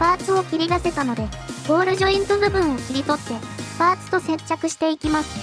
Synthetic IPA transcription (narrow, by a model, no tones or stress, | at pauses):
paːt͡sɨo̞kʲiɾʲid̪ase̞t̪ano̞d̪e̞bo̞ːɾɯ̟ʑoĩnt̪obɯ̟bɯ̟̃ɰ̃o̞kʲiɾʲit̪o̞t̪ːe̞ | paːt͡sɨ̥t̪o̞sẽ̞t͡ɕakɯ̟ɕi̥t̪e̞ikʲimasɨ̥